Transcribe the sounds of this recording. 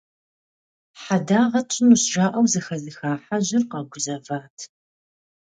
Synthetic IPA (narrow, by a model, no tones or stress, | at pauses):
ħadaːʁɐt͡ʃʰʼɪnuɕʒaːʔɐwzɨxɐzɨxaːħaʑɪrqɐɡʷʊzɐvaːtʰ